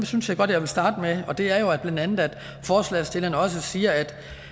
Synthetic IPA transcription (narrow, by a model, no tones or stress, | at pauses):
msynsjɑ̈ɪɡ̥ɒ̽d̥jɑ̈ʋelsd̥ɑ̈ːd̥əmeɒ̽d̥e̝æɐjo̝æb̥lænd̥ænð̩ˠæd̥ | fɒːslɛ̰ːsd̥e̝lɐnɒ̽səsiːɐæd̥